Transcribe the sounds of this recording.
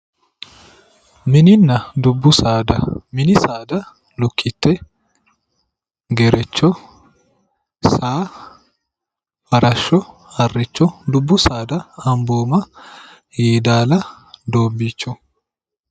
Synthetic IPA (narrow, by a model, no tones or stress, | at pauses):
mɪnɪnːɐd̪ʊbːʊsaːd̪ɐ̰mɪnɪsaːd̪ɐ | lʊkʰːɪt̪ːɛ | ɡɛɾɛt͡ʃːɔ | saː | fɐɾɐʃːɔ | hɐrːɪt͡ʃːɔd̪ʊbːʊsaːd̪ɐːmboːmɐ | heːd̪aːlɐ | d̪oːbːiːt͡ʃːɔ